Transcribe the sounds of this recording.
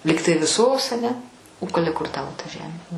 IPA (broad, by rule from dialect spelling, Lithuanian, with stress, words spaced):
ˈlʲiːktɐɪ ʋʲɪˈsoːs ɐˈnʲɛ oː k ˈɑːlʲɛ kʊr ˈtɑːʋoː tɐ ˈʒʲæːmʲeː